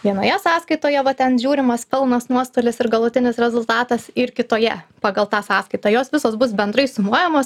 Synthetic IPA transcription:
ʋʲiɛnoːjɛsɑːskɐɪt̪oːjɛʋɐt̪ʲɛnʒʲuːɾʲɪmɐspʲɪlˠnɐsnuɔst̪olʲɪsɪɾɡɐlˠʊt̪ʲɪnʲɪsɾʲɛzʊlˠt̪ɑːt̪ɐsɪɾkʲɪt̪oːjɛpɑːɡɐlˠt̪ɑːsɑːskɐɪt̪oːjoːsʋʲɪsoːsbʊs̬bʲɛnd̪ɾɐɪsʊmuɔjɛmoːs

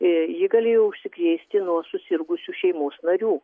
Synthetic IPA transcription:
jɪɡɐlʲeːjoʊʃʲsʲɪkɾʲeːsʲt̪ʲɪnuɔsʊsʲɪɾɡʊsʲuːʃʲɛɪmoːsnɐɾʲuː

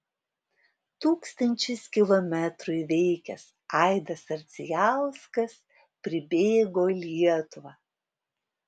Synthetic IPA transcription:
t̪uːkst̪ɐnʲt͡ʃʲɪskʲɪlˠɔmʲɛt̪ɾʊɪʋʲɛɪkʲɛs | ɑˑɪd̪ɐsɐɾʲt̪sʲɪjɑlˠskɐs | pʲɾʲɪbʲeːɡoːlʲiɛt̪ʊʋɐː

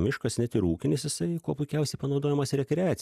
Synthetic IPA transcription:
mʲɪʃkɐsnʲɛt̪ɪɾuːkʲɪnʲɪsjɪsɐɪkuɔpʊɪkʲɛʊsʲɛɪpɐnɒʊd̪oːjɛmɐsɾʲɛkɾʲæːt̪sʲ

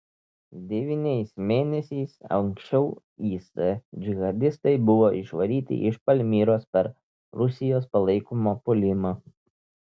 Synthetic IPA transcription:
d̪ʲɛʋʲiːnʲɛɪsmʲeːnʲɛsʲɛɪsɐ̰ŋksʲt͡ʃʲɛʊ | iːsɛd͡ʒʲɪɣɐd̪ʲɪst̪ɐɪbʊʋoːʔɪʃʋɐɾʲiːt̪ʲɪ̰ʔɪʃpɐlʲmʲiːɾoːspʲɛɾ | ɾʊsʲɪjoːspɐlˠɐɪkomoːpʊlʲɪma

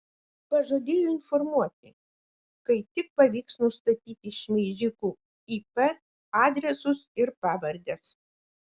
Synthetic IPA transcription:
pɐʒod̪ʲeːjoːɪnfɔɾmuɔt̪ʲɪ | kɐɪt̪ʲɪk̚pɐʋʲiːksnʊst̪ɐt̪ʲiːt̪ʲɪʃʲmʲizʲɪkuː | iːpɛ | ɑːd̪ʲɾʲɛsʊsɪɾpɑːʋɐɾʲd̪ʲɛs

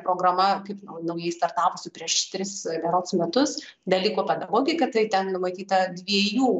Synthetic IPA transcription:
pɾoːɡɾɐmɐkɐɪpnɐʊnɐʊjɛɪst̪ɐrt̪ɑːpʊsʲʊpʲɾʲiɛʃt̪ʲɾʲɪsʋʲɛɾoːt̪ʊsmʲɛt̪ʊs | d̪ɐlʲiːkoːpʲɛd̪ɐɡoːɡʲɪkɐt̪ɐɪt̪ʲɛnnʊmɐt̪ʲiːt̪ɐdʲʋʲiɛjuː

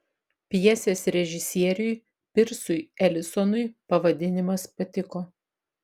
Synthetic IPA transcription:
pʲɛsʲeːsɾʲɛʒʲɪsʲiɛɾʲʊj | pʲɪɾsʊjɛlʲɪsɔnʊɪpɐʋɐd̪ʲɪnʲɪmɐspɐt̪ʲɪkoː

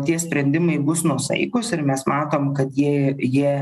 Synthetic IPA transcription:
t̪ʲiɛsʲpʲɾʲɛnʲd̪ʲɪmɐɪbʊsnuɔsɐ̰ɪkʊsɪɾmʲɛsmɑːt̪oːmkɐt̪jiɛjiɛ

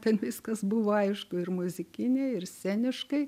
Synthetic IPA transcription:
t̪ʲɛnʋʲɪskɐsbʊʋoːɐɪʃkʊɪrmʊzʲɪkʲɪnʲɛɪɪrsʲæːnʲɪʃkɐɪ

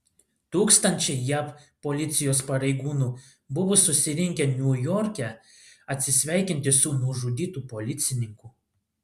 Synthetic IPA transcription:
t̪uːkst̪ɐnʲt͡ʃʲɛɪjɛppoːlʲɪt̪sʲɪjoːspɐɾʲɛɪɡuːnuː | bʊʋʊsʊsʲɪɾʲɪŋʲkʲɛnʲuːjɔːɾʲkʲɛ | ɐt̪ʲsʲɪsʲʋʲæˑɪkʲɪnʲt̪ʲɪsʊnʊʒuːd̪ʲiːt̪uːpolʲɪt̪sʲɪnʲɪŋkuː

